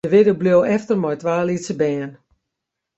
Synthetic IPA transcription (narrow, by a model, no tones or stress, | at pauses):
əʋɪdəbljowɛftərmɔjtʋaːlisəbɛːən